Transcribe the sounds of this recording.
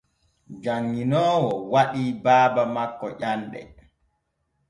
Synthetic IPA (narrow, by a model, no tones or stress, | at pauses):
d͡ʒaŋːinɔːwɔwaɗiːbaːbamakːɔʔanɗɛ̰